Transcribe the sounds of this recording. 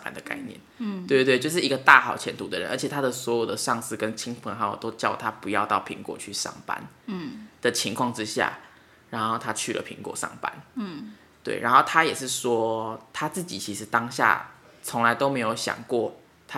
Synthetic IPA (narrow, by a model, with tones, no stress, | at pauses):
pa̰˨˩nd̪ə˩ka̰˥˧ɪnjɛ̰˥˩nt̪e˥˧˥t̪we˥˧t͡ɕjo˥˧ʊʂɻ̩˥˩˨i˧˦ɡə˧t̪a˥˨xɑ˨˩ʊt͡ɕʰjɛ˧˥nt̪ʰu˧˥d̪ə˨ɻə̰˧˦nʔə̰˞˧˥t͡ɕʰjt̪ʰa˥d̪ə˨swɔ˧˦˥jo˨˩ʊd̪ə˩ʂɑ˥˧ŋs̩˥˩kə˦nt͡ɕʰi˥ŋpʰə˧˦ŋxa˧˥jo̰˨˩t̪o˥ʊt͡ɕjɑ˥˧˩ʊt̪ʰa˦˥pu˧jɑ˥˧ʊt̪ɑ˥˩ʊpʰḭ˧˥ŋkwɔ̰˨˩t͡ɕʰy˥˧ʂɑ̰˥˩ŋpa̰˧˦n | d̪̥ə˨˩t͡ɕʰi˧˥ŋkʰwɑ˥˩ŋʈ͡ʂɻ̩˥ɕja̰˥˩ | ɻa˧˥nxo˥˩ʊt̪ʰa˥t͡ɕʰy˥˩lə̰˩pʰḭ˧˥ŋkwɔ̰˨˩ʂɑ̰˥˩ŋpa̰˦n | t̪wḛ˥˩ɪɻʔa˧˥nxo˥˩ʊt̪ʰa˥jɛ˨˩ʂɻ̩˥˩ʂwɔ˥t̪ʰa˥t͡sɹ̩˥˩t͡ɕi˨˩t͡ɕʰi˧˥ʂɻ̩˧˥t̪ɑ˥ŋɕja̰˥˩ | t͡sʰo˧˦ŋla˧ɪt̪o˥ʊme˧˥ɪjo˨˧˥ʊɕjɑ̰˨˩ŋkwɔ˥˩ | t̪ʰa˦